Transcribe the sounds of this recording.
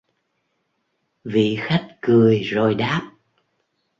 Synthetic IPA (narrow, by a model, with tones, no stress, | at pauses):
vḭ˧˨xa˦˥jk̚kɨ˨˩əjzo˨˩jɗaː˦˥p̚